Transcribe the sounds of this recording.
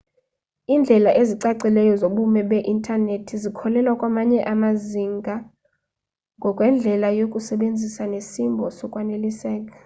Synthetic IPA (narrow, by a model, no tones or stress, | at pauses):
iːnd͡ɮʱɛlaʔeziǀaǀilɛjɔzoɓumɛɓɛʔintʼanetʰizikʰɔlɛlwakʼwamaɲɛʔamaziŋɡʱa | ŋɡʱɔkʼwɛnd͡ɮʱɛlajokʼusɛɓend͡zʱisanesimbʱɔsɔkʼwanelisɛːk̬ʼḁ